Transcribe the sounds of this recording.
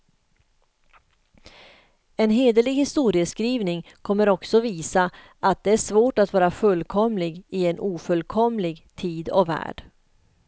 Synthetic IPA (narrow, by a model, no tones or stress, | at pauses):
ɛnɦeːd̪əlɪɡhɪst̪uːɾɪəskɾiːvnɪŋkʰɔmːəɾɔksɔviːsa | ʔat̪̚d̪ɛæʂvoːʈat̪vɑːɾafɵlːkʰɔmlɪɡɪɛnʔuːfɵlːkʰɔmlɪɡt̪ʰiːd̪ɔvæ̰ːɖ̥